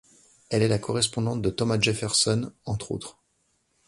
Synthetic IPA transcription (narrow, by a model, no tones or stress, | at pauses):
ɛlɛlakɔʁɛspɔ̃d̪ɑ̃t̪̚d̪ət̪ɔmaʒefɛʁsɔnɑ̃t̪χo̰t̪χ